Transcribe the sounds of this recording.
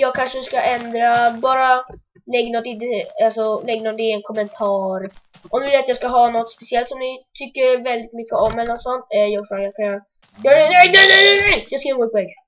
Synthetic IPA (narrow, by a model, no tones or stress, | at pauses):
jɑːɡ̚kʰanʂəskaʔɛnd̪ɾabɑːɾa | lɛɡnɔt̪ːɪd̪ɛalsɔlɛɡnɔd̪ɛɛnkʰɔmɛnt̪ʰɑːɾʔɔmd̪vɪljat̪jɑːɡskaɦɑːnɔt̪ːspɛsɪɛlt̪sɔmnɪt̪ʰʏkːəɾvɛld̪ɪt̪mʏkːəɔmːɛlnɔt̪ːsɔnt̪ɛjɑːɡfoːɡakʰaa | d̪ɛɛnɛnɛnɛnɛjjɑːskainɡop̪̚ʰːɔɛɡ